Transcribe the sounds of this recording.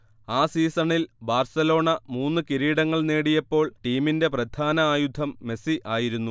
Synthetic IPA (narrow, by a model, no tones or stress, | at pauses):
aːsiːsɐɳilbaːrsɐlo̞ːɳɐmuːnːɨkiɾiːɽɐŋːɐɭneːɽijɐpːo̞ːɭʈiːminde̞prɐd̪ʱaːnɐaːjud̪ʱɐmːe̞siʔaːjiɾunːu